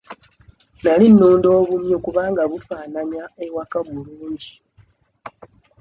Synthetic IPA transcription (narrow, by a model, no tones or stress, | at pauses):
nalinːuːndo̞ːβumjokuβaːŋɡaβufaːnaɲaewakaβuluːɲɟi